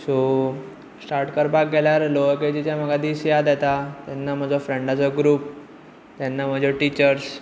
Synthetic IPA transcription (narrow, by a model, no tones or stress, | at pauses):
so | sʈaɾʈkəɾbak̚ɡeljaɾloʋəked͡ʑit͡ɕjam̤əɡʱad̪isjad̪jɛt̪at̪jɛnːam̤əd͡zɔfɾeɳɖat͡sɔɡɾuːp̚ | t̪jɛnːam̤əd͡zɔʈit͡ɕəɾs